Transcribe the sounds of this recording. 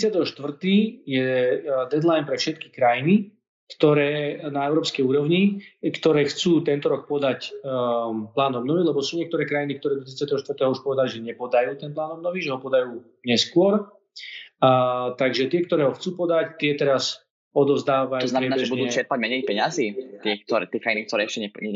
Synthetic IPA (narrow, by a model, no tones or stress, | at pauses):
ɾt͡sɪat̪ɛɦɔʃt̪ʋr̩t̪iːjɛd̪ɛd̪lajnpɾɛfʃɛt̪̚ki̥kɾajini | kt̪ɔɾɛːnaɛʊɾɔːpskɛjuːɾɔʊɲikt̪ɔɾɛːxt͡suːt̪ɛnt̪ɔɾɔk̚pɔd̪ac | plaːnɔbnɔʋilɛbɔsuːɲɪɛk̚t̪ɔɾɛːkɾajnik̚t̪ɔɾɛːd̪ɔt̪ɾit͡sɪat̪ɛɦɔʃt̪vr̩t̪ɛːɦɔuʃpɔʋɛd̪aliʒɛɲɛpɔd̪ajuːt̪ɛnplaːnɔbnɔʋiʒɛɦɔpɔd̪ajuː | ɲɛskʊɔɾ | t̪aɡʒɛt̪ɪɛkt̪ɔɾɛːɦɔxt͡suːpɔd̪act̪ɪɛt̪ɛɾas | ɔd̪ɔvzd̪aːʋaɔznaɾɛnabɛʒɛbud̪uːɛt͡ʃɛɾpaɟmɛɲɛjipɛɲaziːt̪ɪɛk̚t̪ɔɾɛ̰t̪ɪɛkɾainikt̪ɔɾɛːɛʃcɛɲɛɲɛ